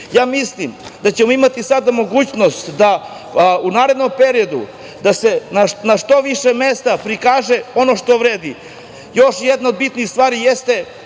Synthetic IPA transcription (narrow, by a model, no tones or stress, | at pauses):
jaːmislimd̪at͡ɕemo̞imat̪isad̪amo̞ɡuːt͡ɕno̞st̪d̪a | unaːɾe̞d̪nompe̞ɾio̞d̪ṵ | d̪asenanaʃt̪o̞ʋiʃemest̪apɾikaːʒeo̞noʃt̪o̞ʋɾeːd̪i | jo̞ʃjed̪nao̞d̪̚bit̪nixst̪vʋaːɾijest̪e̞